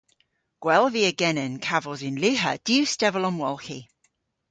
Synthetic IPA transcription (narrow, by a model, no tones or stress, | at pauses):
ɡ̥wɛlˠviəɡɛnɛnkʰavəlˠzɪ̃nlʉɦəd̥iʉstɛvəlɔ̃mwɔlˠxi